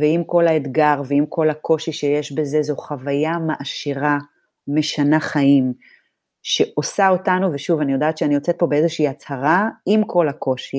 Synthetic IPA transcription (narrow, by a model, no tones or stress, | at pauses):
veimko̞laed̪ɡaʁveimkʰo̞lako̞ʃiʃejeʃbe̞ze̞zoχavajamaʔaʃiʁa | me̞ʃanaχaim | ʃe̞ʔo̞saotanuveʃuvanijo̞daːt̪ʃeanijot͡set̚po̞beeze̞ʃiːat͡shaʁaimkʰo̞lako̞ʃi